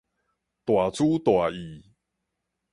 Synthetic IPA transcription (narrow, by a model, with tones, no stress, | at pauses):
t̪wa˨˩t͡sʰu˦t̪wa˨˩i˨˩˦